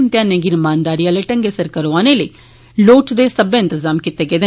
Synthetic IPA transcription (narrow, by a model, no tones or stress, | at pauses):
mt̪ɪjãːnẽːɡɪɾmaːnd̪aːɾiːãːleːʈəŋɡeːsəɾkəɾoaːneːləḭː | loːʈd̪eːsəbẽːɪ̃nt̪əzaːmkɪt̪eːɡeːd̪e